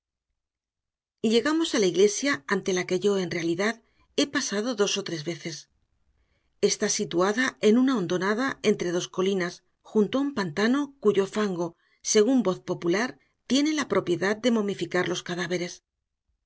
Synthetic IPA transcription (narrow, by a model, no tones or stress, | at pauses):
ʎe̞ɣamo̞salaiɣle̞sjaant̪e̞lake̞ʝo̞e̞nre̞aliðað | e̞pasað̞o̞ðo̞so̞t̪ɾe̞zβe̞θe̞s | e̞st̪asit̪uaðae̞nunao̞nd̪o̞naðae̞nt̪ɾe̞ð̞o̞sko̞linas | xunt̪oaumpant̪ano̞kuʝo̞faŋɡo̞ | se̞ɣ̞umbo̞θpo̞pulaɾ | t̪je̞ne̞lapɾo̞pje̞ðað̚d̪e̞mo̞mifikaɾlo̞skaðaβe̞ɾe̞s